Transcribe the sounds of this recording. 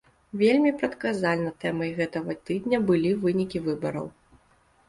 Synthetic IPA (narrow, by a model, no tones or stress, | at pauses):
vʲelʲmʲipɾɐt̪kazalʲnɐt̪ɛmɐjɣɛt̪ɐɣɐt̪ɨd̪nʲɐbɨlʲivɨnʲikʲivɨbɐɾɐ̰w